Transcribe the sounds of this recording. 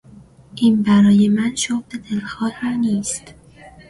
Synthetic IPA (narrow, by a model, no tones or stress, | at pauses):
ʔiːnbæɾɒːje̞mænʃobd̪ed̪elxɒːlhæniːst̪